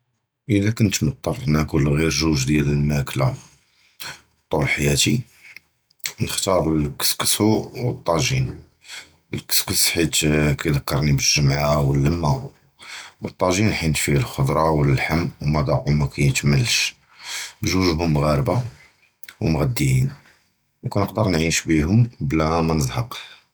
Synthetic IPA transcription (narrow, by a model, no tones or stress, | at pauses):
ʔəðækʊnt̪mət̪ˤːɑɾˤnækulɣiɾʒuʒd̪jæləlmækla | t̪ˤːulħajæt̪i | nəxt̪ɑɾˤəlkə̥skə̥suʔwət̪ˤːɑʒin | əlkə̥skəsħit̪kæjd̪əkːɑɾˤnibəʒːəmʕawəlːəmːa | wət̪ˤːɑʒinħinfilxʊd̪ɾˤɑwələlħamːwmæd̪ˤɑʊmækæjt̪məlːʃ | bʒuʒɦʊmːɣæɾəba | wmɣæd̪ːiin | nkunəqd̪əɾˤnʕiʃbiɦʊmblæmænəzˤhɑq